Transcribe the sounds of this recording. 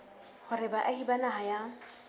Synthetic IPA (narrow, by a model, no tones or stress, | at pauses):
hʊɾɪbaʔahibanaɦaja